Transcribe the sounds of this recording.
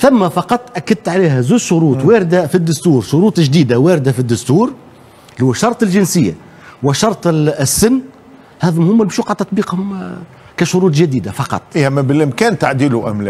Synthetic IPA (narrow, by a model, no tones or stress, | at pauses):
θæmːæfɑqɑt̪ˤːʔækːad̪̚t̪ʕaliːɦæzuːzʃʊɾuːt̪ˤwæːɾɪd̪afid̪ːʊst̪uːɾʃʊɾuːt̪ˤʒd̪iːd̪awæːɾɪd̪afid̪ːʊst̪uːɾ | hʊwːæʃɑɾˤt̪ˤɪlʒɪnsɪjːa̰ | wɪʃɑɾˤt̪ˤsːɪnː | hæːðmhʊmːæbʃuqʕd̪t̪ːɑt̪ˤbiːqhʊm | kæʃʊɾuːt̪̬ˤʒæd̪iːd̪afɑqɑ̰t̪ˤːʔæmːæbɪlʔɪmkæːnt̪aʕd̪iːluʔæ̰mlɛ